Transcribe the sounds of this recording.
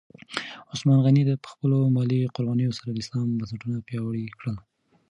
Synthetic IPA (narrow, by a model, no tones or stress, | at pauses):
ʊsmɑnɣanid̪əpə̥xpəlomɑliqʊɾbɑnəjosaɾad̪əɪslɑmbansaʈunapjɑwɽikɽəl